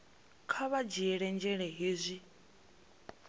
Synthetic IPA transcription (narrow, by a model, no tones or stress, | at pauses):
kʰaβad͡ʒiɛɺɛnd͡ʒɛɺɛɦizʷi